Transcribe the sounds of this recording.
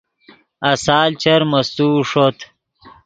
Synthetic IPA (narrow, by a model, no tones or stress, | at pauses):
ɐsaːlt͡ɕɐɾmɐst̪uːʂot̪